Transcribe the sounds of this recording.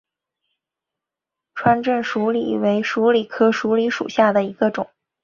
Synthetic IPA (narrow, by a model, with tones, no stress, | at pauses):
ʈ͡ʂʰwa˥nʈ͡ʂə˥˩nʂu˧˥lḭ˨˩˦we˧˥ɪʂu˧˥li˨˩kʰɤ˥ʂu˧˥li˧˥ʂṵ˨˩ɕja˥˩d̪ə˩i˧˥ɡə˧ʈ͡ʂʊ˨˩˦ŋ